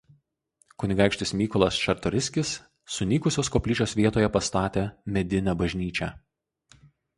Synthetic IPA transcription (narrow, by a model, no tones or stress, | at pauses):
kʊnʲɪɡɑˑɪkʃʲt̪ʲɪsmʲiːkɔlˠɐsʃʲɐɾt̪ɔɾʲɪsʲkʲɪsː | ʊnʲiːkʊsʲoːskɔːpʲlʲiːt͡ʃʲoːsʋʲiɛt̪oːjɛpɐst̪ɑːt̪ʲeːmʲɛd̪ʲɪnʲɛbɐʒʲnʲiːt͡ʃʲɛ